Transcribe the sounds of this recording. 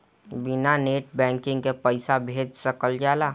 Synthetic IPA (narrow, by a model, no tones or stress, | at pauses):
bɪnaneːʈ̚bɛ̃ːŋkɪ̃ŋɡkepəɪsabʱeːd͡ʒsəkəld͡ʒaːlaː